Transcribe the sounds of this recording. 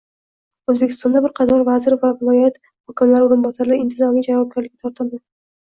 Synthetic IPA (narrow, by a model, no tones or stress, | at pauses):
ɵzbe̞kʲʰɪst̪ɒnd̪abɪɾqʰɑt̪ʰɒɾvazɪɾvavɪlˠɒjat̪ | hɒkʲɪmlaɾɪoɾʊmbɒsaɾɪɪnt̪ʰɪzɒnɪŋd͡ʒavɒb̚ɡʲaɾlɪkʲːat̪ʰɾt̪ʰɪld̪a